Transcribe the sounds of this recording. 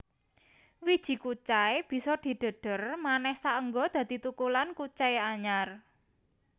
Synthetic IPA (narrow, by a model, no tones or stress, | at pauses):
wid̥ʒ̥i̤kut͡ʃaeb̥i̤sɔd̪̥i̤ɖ̪̥ə̤ɖ̥ə̤rmanɛhsaʔəŋɡɔd̪̥ä̤d̪̥i̤t̪ukulankut͡ʃaeaɲar